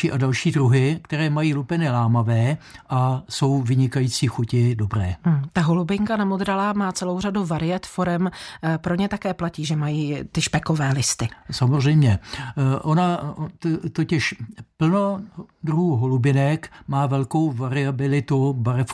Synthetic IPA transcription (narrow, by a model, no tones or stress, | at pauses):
iːʔadalʃiːdɾuɦɪkt̪ɛɾɛːmajiːlupɛnɪlaːmavɛːʔaso̞wvɪɲɪkajiːt͡siːxucɪdo̞bɾɛːt̪aɦolubɪŋkanamod̪ɾalaːmaːt͡sɛlo̞wr̝aduvaɾɪjɛt̪foɾɛmpɾoɲɛt̪akɛːplaciːʒɛmajiːt̪ɪʃpɛkovɛːlɪst̪ɪsamozr̝ɛjmɲɛʔonat̪t̪ocɪʃpl̩nodɾuɦuːɦolubɪnɛkmaːvɛlko̞wvaɾɪabɪlɪt̪ubaɾɛf